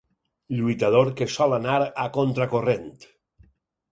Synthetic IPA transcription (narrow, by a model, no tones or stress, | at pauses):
ʎuit̪að̞oɾkesɔlanaɾakont̪ɾakorent̪